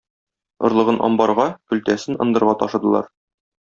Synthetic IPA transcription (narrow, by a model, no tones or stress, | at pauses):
ŏɾlˠɤ̆ʁɤnʔɒ̰mbɑɾʁɑkɵ̆lt̪æsɘnɤ̆nd̪ɤ̆ɾʁɑt̪ɒʃɤ̆d̪ɤ̆lˠɑ̰ɾ